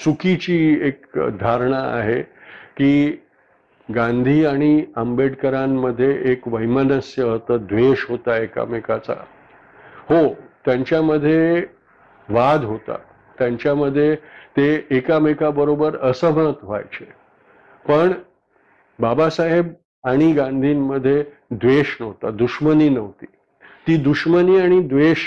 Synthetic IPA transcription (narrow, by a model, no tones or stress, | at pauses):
sukit͡ɕiːekd̪ʱaɾɳ̃aa̰ɦekiː | ɡãnd̪ʱiːaɽ̃iəmbeɽkəɾamːəd̪ʱːjeʔekʋəjmənəsjəɦət̪əːd̪ʋeɕɦot̪aeka̰mekat͡sa̰ | hot̪jaɲt͡ɕjaməd̪ʱːje | ʋad̪ʱɦot̪a̰ | t̪jãɲt͡ɕjaməd̪ʱːjet̪eːkamekabəɾobəɾəsəʋəɳ̃ət̪ɦoa̰jt͡ɕe | pəɳ | babasaɦeb | aɽ̃iɡãnd̪ʱiːnːəd̪ʱːje | d̪ʋeɕnəʋt̪a̰d̪uʂməniːnəʋt̪iː | t̪iːd̪uɕməniːaɽ̃id̪ʋeɕ